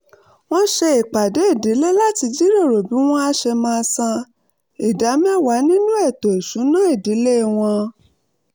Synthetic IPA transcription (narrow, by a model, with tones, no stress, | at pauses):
w̃ɔ̃˦ʃɛ˧i˨k͡pa˨de˨˦e˦˨de˨˦le˦la˦ti˧d͡ʒi˦ɾe˦˨ɾo˨bi˨˦w̃ɔ̃˦a˧ʃɛ˧mãː˧sã˧ | i˨da˨˦mɛ̃˦˨wa˨˦nĩ˦nũ˦ɛ˦˨to˨e˨sũ˨˦nã˦e˦˨di˨˦le˦˨w̃ɔ̃˧